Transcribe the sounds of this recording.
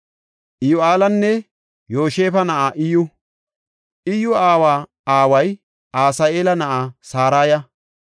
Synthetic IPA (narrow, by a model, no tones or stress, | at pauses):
ʔɪjʊaːlɐnːɛ | jo̞ːʃe̞ːfɐnɐʔaːʔɪjʊ | ʔɪjːʊaːwaː | aːwɐj | aːsaːeːlɐnɐʔaːsaːɾaːjɐ